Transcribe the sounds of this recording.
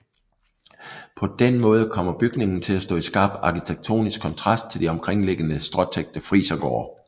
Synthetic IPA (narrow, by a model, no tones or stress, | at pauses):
pʰɒ̽d̥enmɔ̽ːð̞ˠəkʰɒ̽m̰ɐb̥yɡ̥ne̝ŋn̩t͡sʰe̝læsd̥ɔ̰̽ːisɡ̥ɑ̈ːb̥ɑ̈kit͡sʰeɡ̥̚t͡sʰo̝̰ːnisɡ̥kʰːɒ̽nt͡sʰʁɑ̈sd̥̚t͡sʰe̝ld̥iɒ̽mkʰʁeŋ̰le̝ɡ̥ənəsd̥ʁɒ̽t͡sʰeɡ̥̚d̥əfʁiːsɐɡ̥ɒ̰ːɐ